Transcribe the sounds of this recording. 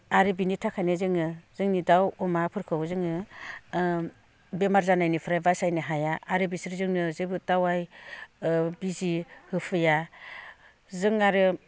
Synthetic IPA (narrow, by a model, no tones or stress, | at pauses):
aɾɯbinitʰakʰajnezɯŋɯzɯŋnidawɔmapʰɯɾkʰɯwzɯŋɯ | bemaɾzanajnipʰɯɾajbasajnɯɦajaʔaɾɯbisɾzɯŋnɯzɯbɯtawaj | bizihɯpʰɯja | zɯŋaɾɯ